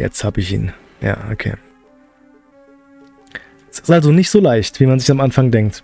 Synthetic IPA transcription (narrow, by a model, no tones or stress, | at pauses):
jɛ̰t͡sthaːbəɪçḭːn | ja̰ːʔo̰kʰḛː | sɪ̥stʔalzonɪçtz̥oːlaɪçtv̥iːmanzɪçamʔanfaŋdɛŋk̚t